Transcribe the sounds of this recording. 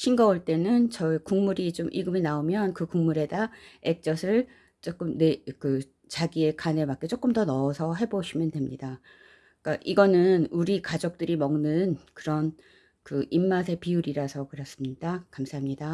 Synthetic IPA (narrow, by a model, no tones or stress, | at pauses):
ɕʰinɡʌuɭt͈e̞nɯnt͡ɕʌikuŋmuɾit͡ɕomʔiɡɯminaomjʌnkɯkuŋmuɾe̞daek̚t͡ɕ͈ʌsʰɯɭ | t͡ɕ͈ok͈ɯmne̞kɯ | t͡ɕaɡie̞kane̞bak͈e̞t͡ɕ͈ok͈ɯmdʌnʌːsʰʌɦe̞boɕʰimjʌndwe̞mɲida | k͈aʔiɡʌnɯnuɾikad͡ʑok̚t͈ɯɾimʌŋnɯnkɯɾʌn | kɯʔimːas̬ʰe̞piuɾiɾasʰʌkɯɾʌs͈ɯmɲid̥akamsʰaɦamɲida